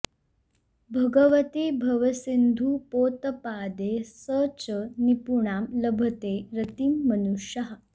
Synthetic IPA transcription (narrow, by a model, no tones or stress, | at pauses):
bʱəɡəʋət̪ibʱɐʋəsind̪ʱupot̪əpad̪esət͡ɕənipuɳamləbʱət̪eɾət̪iːmːənuʂjəɦa